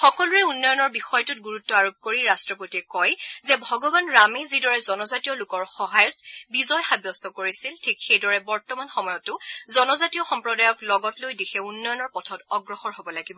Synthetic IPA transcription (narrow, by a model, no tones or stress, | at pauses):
xɔkɔluɹɛunːɔjɔnɔɹbixɔjɔtʊt̚ɡuɹutːɔaɹob̚koɹiɹastɹɔpotiɛkɔjzɛbʱɔɡɔbanɹamɛzidɔɹɛzɔnɔzatijɔlʊkɔɹxɔɦajɔtbizɔjxabjɔst̪ʰɔkoɹisiltʰikxejdɔɹɛbɔɹtɔmanxɔmɔjɔtːʊzɔnɔzatijɔxɔmpɹɔdajɔklɔɡɔtlojdexʰɛunːɔjɔnɔɹpɔtʰɔtɔɡɹɔxɔɹɦobɔlaɡibɔ